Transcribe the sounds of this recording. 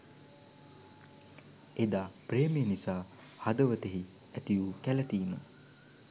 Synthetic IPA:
ed̪aːprejmijənisaː | had̪əʋət̪eɦi | æt̪ijukælɐt̪iːmə̰

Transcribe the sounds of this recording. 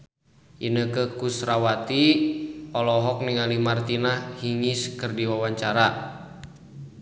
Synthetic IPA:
ʔinəkəkusɾawat̪i | ɔlɔɦɔk̚niŋalimart̪inahhiŋiskərdiwawaɲt͡ʃaɾa

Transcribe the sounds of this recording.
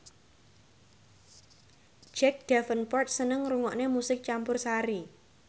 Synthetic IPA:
d͡ʒ̥ɛk̚ɖ̪̥afənpɔrt̪̚sənəŋruŋɔʔnemusɪk̚t͡ʃampʊrsaɾi

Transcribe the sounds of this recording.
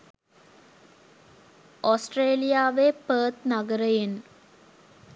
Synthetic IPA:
osʈreːlijaːʋepəːt̪naɡəɾəjen

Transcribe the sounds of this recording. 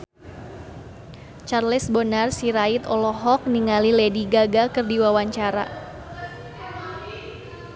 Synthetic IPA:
t͡ʃarlɛsbɔnarsiɾait̪ɔlɔɦɔk̚niŋalilediɡaɡakɨrdiwawaɲt͡ʃaɾa̰

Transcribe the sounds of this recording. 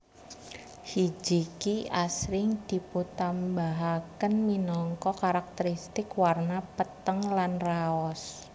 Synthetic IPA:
hid͡ʒikiʔasɾɪŋd̪̥i̤put̪ambaɦakənminɔŋkɔkaɾak̚t̪əɾist̪ɪkwarnapət̪əŋlanraɔs

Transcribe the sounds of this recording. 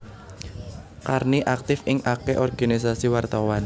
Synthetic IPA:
karniʔak̚t̪ɪfɪŋʔakeʔɔrɡ̥anis̬asiwart̪awan

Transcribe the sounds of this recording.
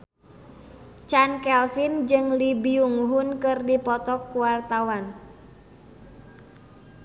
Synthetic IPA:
t͡ʃankɛlfind͡ʒɨŋlibiuŋɦʊnkɨrdipɔt̪ɔkːuwart̪awan

